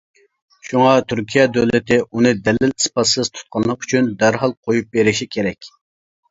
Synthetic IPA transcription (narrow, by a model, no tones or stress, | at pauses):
ʃuŋɑt̪ʰyɾkʲʰijɛd̪øwlɪt̪ɪʔunɨd̪ɛlːɪlispɑsɨzt̪ʰu̥t̪̚qʰɑnlˠːəqy̥t͡ʃʰynd̪æɾɦɑlˠqʰojup̚beɾɪʃikʲʰeɾɛkʲ